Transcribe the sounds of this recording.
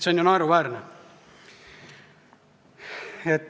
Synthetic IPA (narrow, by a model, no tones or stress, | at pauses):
t̪seonʲjunɑeɾuvæːɾnɛ | et̪ː